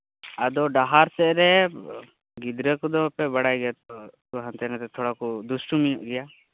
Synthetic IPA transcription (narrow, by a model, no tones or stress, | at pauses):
əd̪ɔɖaɦaɾsɛʔɾɛ | ɡid̪ɾəkd̪ɔpɛbaɽajɡɛjat̪ɔt̪uɦãnt̪ɛnat̪ɛt̪ʰɔɽakɔd̪usʈumijɔʔɡɛja